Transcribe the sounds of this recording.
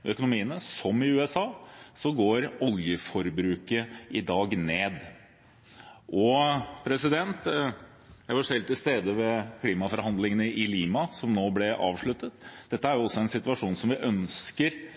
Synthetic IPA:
œkʊnʊmiːənəsɔmɪʉːɛsɑːsɔɡoːɾɔljəfɔɾbɾʉːkəʔɪd̪ɑːɡneːd̪ | ʔɔpʰɾɛsɪd̪ɛnt̪ | jæɪʋɑʂɛlt̪ʰːɪlst̪eːd̪əʋɛkʰliːmɑfɔɾhɑnd̪lɪŋənəʔɪliːmɑsɔmnoːblɛʔɑ̰ːʋʂɭʉt̪ːət̪d̪ɛt̪ːəæɾjʊɔsːɔɛnsɪt̪ʉɑʂuːnsɔmʋɪʔœnskəɾ

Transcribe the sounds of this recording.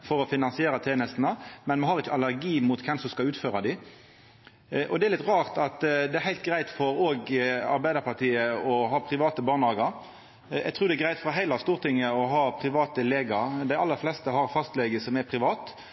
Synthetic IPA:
fɔɾɔfɪnɑnsɪeːɾɑt̪ʰeːnəst̪nəmɛnmɑhɑɾʁɪçəɑlːæɾɡiːmʊt̪kʰɛmsɔmskɑʉːt̪føːɾɑd̪ɪ | ʔɔd̪ɛæɾlɪt̪ʁɑːʁt̪ɑt̪d̪ɛæɾhæɪlt̪̚ɡɾæɪt̪fɔɾoːɡɑ̰ɾbæɪəɾpʰɑʁt̪ʰiːəɔɦɑːpʰɾɪʋɑːt̪əbɑːʁnɑːɡɑɾ | ɛ̰ɡt̪ʰɾuːɾd̪ɛɡɾæɪt̪fɔɾɦæɪlɑst̪uːʁt̪ɪŋːəɔɦɑːpʰɾɪʋɑːt̪əleːɡɑɾd̪æɪʔɑlːəɾflɛst̪əhɑɾfɑst̪lɛɡəsɔmɛɾpʰʁɪʋɑːt̪

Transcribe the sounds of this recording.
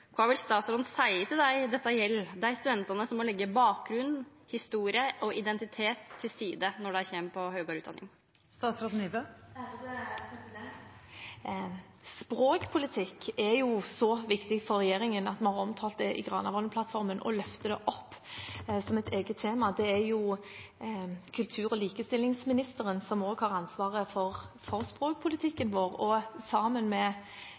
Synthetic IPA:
kʰʋɑːʋɪlst̪ɑːt̪sɾɔɾd̪n̩sæɪət̪ɪld̪æɪd̪ɛt̪ːɑjɛlːd̪ɛæɾst̪ʉd̪ɛnt̪ɑnəsɔmːɔlɛɡːəbɑːk̚ɡɾʉnː | hɪst̪uːɾɪəʔɔʔɪd̪ɛnt̪ɪt̪ʰeːt̪ʰːɪlsiːd̪ənɔɖɛæçɛmpʰɔhœːɡɑɾʉːd̪ɑnːɪ̰ŋ | st̪ɑːt̪sɾɔd̪n̩iʋø | spɾoːkpʰʊlɪt̪ʰɪkːɛɾjʊsɔʋɪkt̪ɪk̪fɔɾʁɛjeːɾɪŋənɑt̪mɑnhɑʁɔmt̪ʰɑːlt̪̚d̪ɛʔɪ̰ɡʁɑːnɑ̰ʋɔləpʰlɑt̪fɔɾmənʔɔ̰lœft̪əd̪ɛʔɔpːsɔmɛt̪ʰeːɡət̪ʰːeːmɑd̪ɛæɾjʊ | kʰʉlt̪ʰʉːɾɔliːkəst̪ɪlːɪŋsmɪnɪst̪əɾənsɔmoːɡhɑːʁɑnsʋɑːʁəfɔɾfɔʁspʁoːk̚pʰʊlɪt̪ʰɪkːənʋoːʁɔsɑːmənmɛ

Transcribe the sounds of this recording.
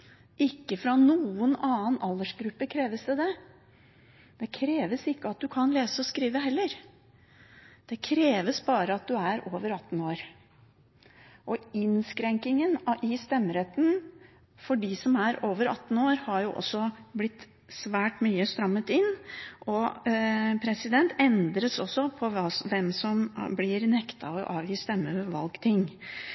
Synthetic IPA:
ʔɪkːəfɾɑnuːənɑːənɑləʂɡɾʉpːəkʰɾeːʋəsd̪ɛd̪ɛ | d̪̥ɛkʰɾeːʋəsɪkːəɑt̪̚d̪ʉkʰɑnleːsəɔskɾiːʋəɦɛlːəɾ | d̪̥ɛkʰɾeːʋəsbɑːɾəɑt̪̚d̪ʉæɾoːʋəɾɑt̪ːn̩oːɾ | ʔɔɪnskɾɛŋkɪŋənɪst̪ɛmːɾɛt̪ːn | fɔɖɪsɔmæɾoːʋəɾɑ̰t̪ːn̩oːɾhɑɾjʊʔɔ̰sːɔblɪt̪ː | sʋæːʈmyːəst̪ɾɑmːət̪ɪnːʔɔ | pʰɾɛsɪd̪ɛnt̪ɛnd̪ɾəsɔsːɔpʰɔʋɑʋɛmsɔmblɪɾnɛkt̪ɑɔʔɑ̰ːʋjiːst̪ɛmːəøːʋəɾʋɑ̰lɡt̪ʰɪŋː

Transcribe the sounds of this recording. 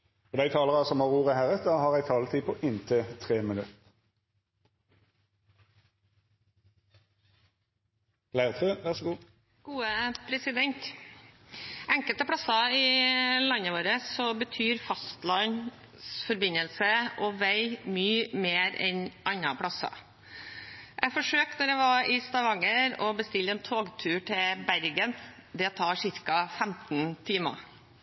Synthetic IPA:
fɔd̪æɪt̪ʰɑːləʁɑsɔmhɑʁuːʁəhæʁəd̪ɑhɑːʁæɪt̪ʰɑːlət̪ʰiːpʰɔʔɪnt̪ʰət̪ʰʁeːmɪnʉt̪ | læɪʁət̪ʰøːʋæʁʂɔɡuː | ɡ̥uːəpʰɾɛsɪd̪ɛnt̪ | ɛŋkəlt̪əpʰɽɑsɑɪlɑnːəʋoːɾəsɔbət̪ʰyːɾfɑst̪lɑn | sfɔɾbɪnːəlsəʔɔʋæɪmyːmeːɾɛnʔɑnːɑ̰pʰɽɑsɑ̰ | ʔɛfɔʂøːknɔɾɛʋɑɾɪst̪ɑʋɑŋəɾɔbəst̪ɪlːɛːnt̪ʰoːɡt̪ʰʉːʈʰɪlbæɾɡənd̪ɛt̪ʰɑːʂɪɾkɑfæmt̪n̩t̪ʰiːmɑ̰

